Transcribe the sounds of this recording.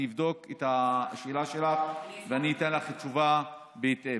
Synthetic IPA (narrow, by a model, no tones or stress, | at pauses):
ivd̪o̞ketaʃeelaʃelaχveaniːtenlaχit͡ʃuva | beite